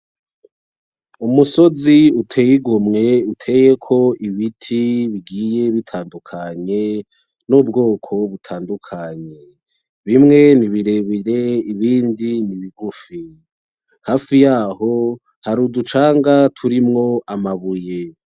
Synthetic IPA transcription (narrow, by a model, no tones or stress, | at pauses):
umuso̞ziutʰe̞ːjiɡomŋe̞utʰe̞je̞kʰo̞ʔiβitʰiβiɡije̞βitʰaːndukʰaɲe̞ | nubɡo̞ːkʰo̞βutʰaːndukʰaɲe̞ | βimŋe̞niβiɾe̞βiɾe̞iβiːndiniβiɡufi | haːfijaːho | haɾudut͡ʃaːŋɡatʰuɾimŋo̞ʔamaβuje̞